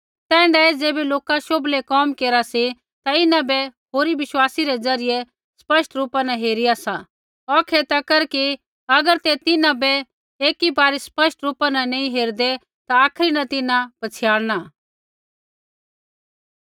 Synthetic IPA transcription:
t̪ɛ̃ːɳɖaed͡zeːbeloːkaʃoblekɔːmkeːɾasi | t̪aɪnãbɛɦoːɾiʋɪʃwaːsiɾed͡zɐɾɪje | spɐsʈɾuːpanaɦeːɾɪjasa | ɔkʰet̪akɐɾki | ɐɡəɾt̪et̪ɪnãbɛ | eːkibaːɾispɐʃʈɾuːpanɐnẽĩɦeːɾd̪e | t̪aːkʰɾinɐt̪ɪnãpɐt͡sʰɪjaːɽna

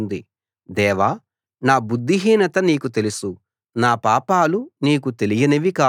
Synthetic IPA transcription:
nd̪i | d̪ɛːʋaː | naːbud̪ʱːiɦiːnɐt̪ɐniːkut̪e̞lusu | naːpaːpaːluniːkut̪e̞lijɐnɐʋikaː

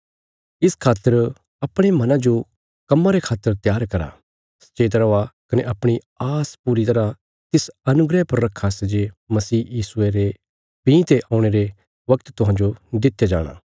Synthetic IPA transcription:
ɪskʰaːt̪ːəɾ | ɐpɽ̃emɐnãd͡ʒo | kɐmːaɾekʰaːt̪ːəɾt̪jaːɾkɐɾa̰ | sɐ̥t͡ʃeːt̪ɾɐʋakɐneʔɐpɽ̃i | aːspuɾit̪ɐɾa | t̪ɪsɐnʊɡɾɛpɐɾːɐkʰːased͡ʒemɐsiːjiːsʊeɾe | pĩːt̪eʔaːʊ̃ɽ̃eɾe | ʋɐkt̪t̪ʊɦãːɲd͡ʒod̪ɪt̪ːjad͡ʒa̰ːɽ̃a̰ː

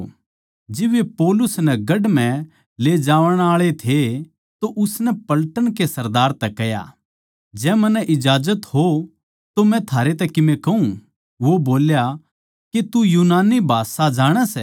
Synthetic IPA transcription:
d͡ʒɪbepɔːlʊsnɛɡɐɖmɛ̃ | led͡ʒaːʋəɽ̃aːɭet̪ʰe | t̪oʔʊsnɛpɐlʈəɽ̃kesɐɾd̪aːɾt̪ɛkɛja̰ | d͡ʒɛːmɐnɛʔɪd͡ʒaːd͡ʒət̪ɦo | t̪omɛ̃t̪ʰaːɾet̪ɛkɪmẽkɐɦũ | ʋoboːlja | ket̪ujuːnaːnibʱaːsad͡ʒaːɽ̃ɛsɛ

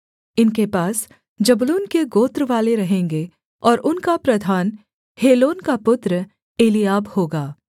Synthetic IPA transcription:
ɪnkepaːs | d͡ʒɐbluːnkeɡoːt̪ɾəʋaːleɾɐɦẽːŋɡe | ɔːɾʊnkapɾɐd̪ʱaːn | heːloːnkapʊt̪ɾə | eːlijaːbhoːɡaː

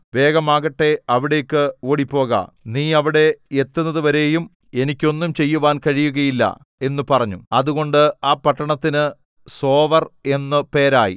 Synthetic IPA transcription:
ʋe̞ːɣɐmaːɣɐʈːe̞ɐʋiɽe̞ːkːɨoːɽipːo̞ːɣɐ̰niːɐʋiɽe̞et̪ːunːɐðɨʋɐɾe̞ːjum | e̞nikʲːo̞nːumt͡ɕe̞jːuʋaːnkɐɻijuɣɐjilːɐ̰ | e̞nːupɐrɐɲːuɐðuɣo̞ɳɖɨaːpɐʈːɐɳɐt̪ːinɨ | so̞ːʋɐre̞nːɨpe̞ːɾaːjḭ

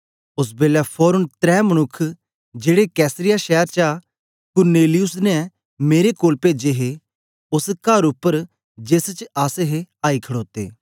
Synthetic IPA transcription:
ʊs̬beːlapʰɔːɾʊnt̪ɾɛːmɐnʊkʰː | d͡ʒeːɽekɛːsɾɪjaʃɛːəɾt͡ʃa | kʊɾneːlɪjʊsnɛ | meːɾekoːlpeːd͡ʒeɦe | ʊskaːɾʊpːəɾ | d͡ʒeːst͡ʃaːseɦeaːikʰɐɽoːt̪ḛː

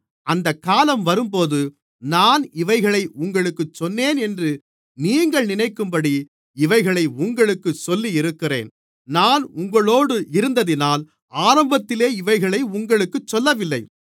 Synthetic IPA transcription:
ʔɐnd̪ɐkːaːlɐmʋɐɾɯmpoːðɯ | naːnɪʋɐɪɣɐɭɐɪʔʊŋɡɐɭɯkːɯt͡ʃːɔnːeːnɛndrɯ | niːŋɡɐɭnɪnɐɪkːɯmbɐɽi | ɪʋɐɪɣɐɭɐɪʊŋɡɐɭɯkːɯsɔlːijɪɾɯkːɪrḛːn | naːnʊŋɡɐɭoːɽɯʔɪɾɯnd̪ɐðɪnaːl | aːɾɐmbɐt̪ːɪleːɪʋɐɪɣɐɭɐɪʊŋɡɐɭɯkːɯt͡ʃːɔlːɐʋɪlːɐɪ

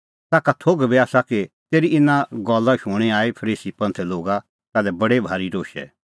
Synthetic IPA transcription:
t̪aːkat̪ʰoːɡbiaːsakit̪eːɾiɪnːãɡɔːlaʃʊɽ̃iaːipʰɐɾiːsipɐ̃nt̪ʰɛloːɡa | t̪aːlɛbɐɽebʱaːɾiɾoːʃɛ̰

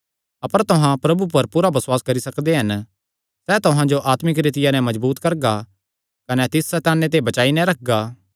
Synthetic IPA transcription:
ɐpəɾt̪ʊɦãpɾɐbupɐɾpuːɾabɐswaːskɐɾisɐkd̪eɦɐn | sɛt̪ʊɦãd͡ʒoʔaːt̪mɪk̬ɾet̪ɪjanɛ̃mɐd͡ʒbuːt̪kɐɾɡa | kɐnɛt̪ɪsɛt̪aːnːet̪̬ebɐt͡ʃaːinɛ̃ɾɐk̚ʰɡaː

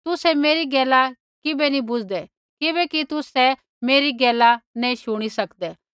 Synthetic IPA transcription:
t̪ʊsɛmeːɾiɡɛːla | kɪbɛnĩbʊd͡ʒʱd̪ɛ | kɪbɛkit̪ʊsɛ | meːɾiɡɛːlanɛ̃iʃʊɽ̃isɐkd̪ɛː

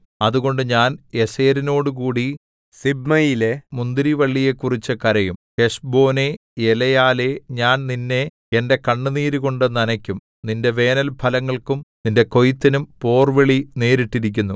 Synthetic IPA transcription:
ɐðuɣo̞ɳɖɨɲaːne̞se̞ːɾino̞ːɽukuːɽi | sibmɐjile̞mund̪iɾiʋɐɭːije̞kːurit͡ɕːɨkɐɾɐjumhe̞ʂbo̞ːne̞ | elɐjaːle̞ɲaːnninːe̞ | ende̞kɐɳːɨniːɾuɣo̞ɳɖɨnɐnɐkʲːum | ninde̞ʋe̞ːnɐlbʰʱɐlɐŋːɐɭkumninde̞ko̞jit̪ːinumpo̞ːrʋeɭine̞ːɾiʈːiɾik̬ʲːunːu

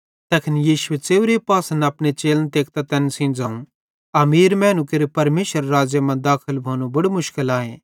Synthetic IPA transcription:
t̪ɐkʰɪnjiːʃʊwet͡seːʊɾepaːsənɐpnet͡ʃeːlnt̪eːk̚t̪at̪ɛnsĩːnd͡zãːũ | ɐmiːɾmɛ̃ːnũkɪɾpɐɾmeːʃəɾːaːd͡ʒjɐmãd̪aːkʰəlbʱoːnobɐɽomʊʃkɪlaːɦẽː

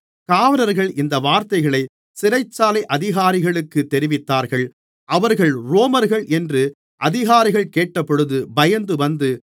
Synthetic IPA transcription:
kaːʋɐɾɐɾɣɐɭɪnd̪ɐʋaːɾt̪ɐɪɣɐɭɐɪ | sɪɾɐɪt͡ʃːaːlɐɪʔɐðɪɣaːɾɪɣɐɭɯkːɯt̪ːɛɾɪʋɪt̪ːaːɾɣɐɭ | ʔɐʋɐɾɣɐɭɾoːmɐɾɣɐɭʔɛndrɯ | ʔɐðɪɣaːɾɪɣɐɭkeːʈːɐpːɔɽɯðɯbɐjɐnd̪ɯʋɐnd̪ɯ

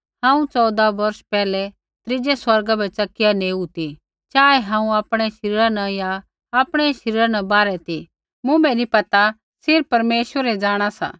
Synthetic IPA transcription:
hãːũt͡sɔːd̪abɐɾʃpɛːlɛ | t̪ɾɪd͡ʒɛswɐɾɡabɛt͡ʃɐkɪjaneːut̪i | t͡ʃaːɛɦãːũaːpɽ̃ɛʃɐɾiːɾãnɐ̃jaː | pɽ̃ɛʃɐɾiːɾanɐbaːɾɛt̪i | mʊ̃bɛnipɐt̪a | sɪɾpɐɾmeːʃwəɾɛd͡ʒaːɽ̃asa̰ː

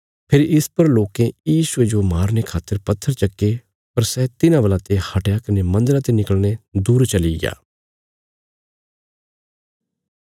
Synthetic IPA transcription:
pʰɪɾɪspɐɾloːkẽjiːsʊed͡ʒomaːɾnekʰaːt̪ːəɾpɐt̪ʰːəɾt͡ʃɐkːe | pɐɾsɛːt̪ɪnãʋəlat̪ehɐʈjakɐnemɐ̃nd̪əɾat̪enɪkəɭned̪uːɾt͡ʃɐliɡja̰ː

